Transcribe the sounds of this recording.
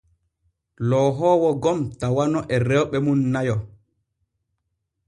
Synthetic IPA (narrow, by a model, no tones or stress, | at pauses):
lɔːɦɔːwɔɡɔmtawanɔʔɛrɛwɓɛmunːajɔ